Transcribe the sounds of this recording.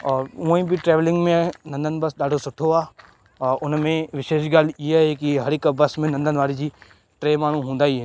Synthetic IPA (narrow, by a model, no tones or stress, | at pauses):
ũĩbʱiʈɾɛːʋlɪ̃ŋɡmẽnɐ̃nd̪ənbɐsɗaːɖosʊʈʰoaː | ʊnmẽʋɪʃeːʃɡaːlieɦɛkiɦɐɾɪkbɐsmẽnɐ̃nd̪ənʋaːɽid͡ʑiː | ʈɾeːmaːɳ̤ũɦũːnd̪aːiɦɛː